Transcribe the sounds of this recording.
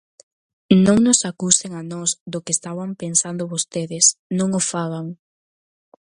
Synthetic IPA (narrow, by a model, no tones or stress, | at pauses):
nõŋnʊsakuseŋanɔsd̪okest̪aβampensand̪ʊβost̪eðɪsnõŋofaɣaŋ